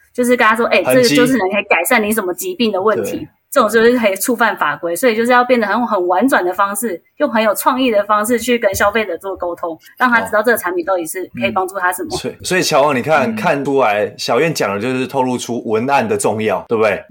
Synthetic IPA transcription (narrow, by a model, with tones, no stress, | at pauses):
t͡ɕjo˥˧ʊʂ̬ɻ̩˥˧kə˥nʰa˥ʂwɔ˥ʔe˥˩ɪ˧ʈ͡ʂɤ˥˨ɡət͡ɕo˥˧ʊʂ̬ɻ̩˥˩nə˧˦nkʰə˧˥i˨˩ka˨˩ɪʂa˥˩ni˧˥ʂ̬ə˧˥nmə˧˦t͡ɕi˧˥pi˥˩ŋd̪ə˩wə˥˩nt̪ʰḭ˨˦ | ʈ͡ʂɤ˥˩˨ŋt͡ɕjo˥˧ʊʂɻ̩˥˩kʰə˧˥i˨˩ʈ͡ʂʰu˥˧fa˥˩nfa˨˩kwe˧˥ɪswɔ˧˥i˨˩t͡ɕjʂɻ̩˥˧jɑ˥˧ʊpjɛ˥˩nd̪ə˩ə˧˦n˨˩xə˨˩nwa˧˦˥nt͡swa˨˩nd̪ə˩fɑ˥ŋʂɻ̩˥˩jo˥˩ŋxə˧˥njo˨˩ʊʈ͡ʂʰwɑ˥˧ŋi˥˩d̪ə˩fɑ˥ŋʂ̬ɻ̩˥˧t͡ɕʰy˥˩kə˥nɕjɑ˥ʊfe˥˩ɪd̪ə˩t͡swɔ˥˩ko˥ʊt̪ʰʊ˥ŋ | ɻɑ˥˩ŋt̪ʰa˥˧˥ɑ˥˧ʊʈ͡ʂɤ˥˩ɡə˩a˧˥nmpi˨˩nt̪ɑ˥˩ʊti˨˩ʂɻ̩˥˩kʰə˧˥i˨˩pɑ˥ŋʈ͡ʂu˥˩a˥ʂə˨˦nmə˦swɔ˧˥i˨t͡ɕʰjɑ˧˥ʊwɑ˨˩ŋni˨˩kʰa˥˨nkʰa˥˨nʰu˥la˧˦ɪɕjɑ˨ʊɥɛ˥˨nt͡ɕjɑ˨˩ŋd̪ə˩t͡ɕjo˥˧ʊʂɻ̩˥˧t̪ʰo˥˧ʊlu˥˧ʈ͡ʂʰu˦˥wə˧˦na˥˨nd̪ə˩ʈ͡ʂʊ˥˧ŋjɑ˥˩ʊt̪we˥˩bt̪e˥˩ɪ